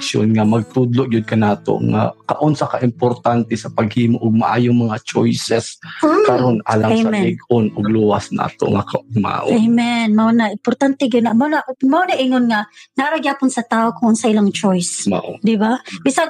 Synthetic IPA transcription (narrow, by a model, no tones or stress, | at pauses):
so̰nŋamɐɡ̚t̪ʊd̪lʊʔɡjʊd̪̚kɐnaːt̪o̰ŋa̰kɐ̰ʔonsakaʔɪmpoɾt̪ant̪ɛsɐpaɡhiːmoʔʊɡ̚maʔa̰ːjʊŋmɐŋat͡ʃojsɛskɐɾonʔa̰ːlaŋsamɛnɪɡʊnʔʊɡluwasna̰ːt̪o̰ŋakaʔʊɡ̚ma̰ːʔʊ̰jmɛnmɐonaʔɪmpʊɾt̪ant̪ɛɡʊd̪aʔmonaʔmaonaʔɪnonŋanaɾʊɡjaːpʊnsɐt̪aːokaʔonsɐʔɪlaŋt͡ʃojsmaʔd̪ɪbabɪsa